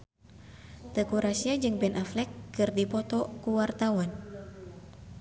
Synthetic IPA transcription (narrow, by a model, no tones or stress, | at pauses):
t̪əkuɾasiad͡ʒɨŋbɛnʔaflɛkːɨrdipɔt̪ɔkuwart̪awan